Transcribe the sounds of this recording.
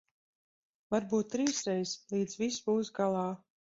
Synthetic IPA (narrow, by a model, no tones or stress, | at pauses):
vaɾbuːt̪ːɾiːsɾɛjslˠiːd̪zvisbuːsɡalˠɑː